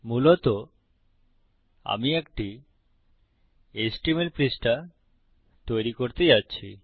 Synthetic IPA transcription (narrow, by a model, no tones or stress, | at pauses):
mulot̪o | a̰miekʈi | esʈimelpɾisʈa | t̪ojɾikoɾt̪ed͡ʑatːɕʰi